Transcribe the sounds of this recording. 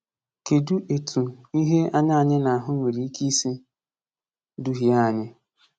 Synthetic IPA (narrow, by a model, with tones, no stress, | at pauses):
ke˨du˦ʔe˨tʰu˨i˦ɦe˦a˦ɲa˦a˨ɲɪ˦na˨a˨ɦʊ˦ŋʷe˨ɾi˨˦i˦ki˦si˦ | du˦ɦi˦a˦˨ɲɪ˦